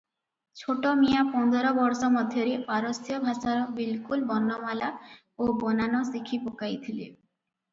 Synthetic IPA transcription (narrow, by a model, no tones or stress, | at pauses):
t͡ʃʰoʈɔmijapɔnd̪ɔɾɔbɔɾsɔmɔd̪ʱjɔɾiaɾɔsjɔbʱasaɾɔbilkulbɔnːɔmala | obɔnanɔsikʰipokajt̪ʰilḛ